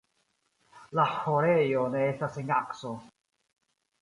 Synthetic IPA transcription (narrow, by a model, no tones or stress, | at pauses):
lahoɾejoneestaseŋakso